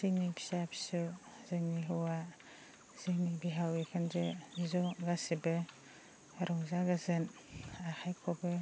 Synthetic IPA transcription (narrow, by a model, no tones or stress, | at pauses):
ziŋnibʰi̥sabʰi̥sɔ | zɯŋniɦɯwa | z̥iŋnibiɦawekʰɯnzɯzɔɡasibɯ | ɾɔŋzaɡazɯn | axʰajkʰɔbɯ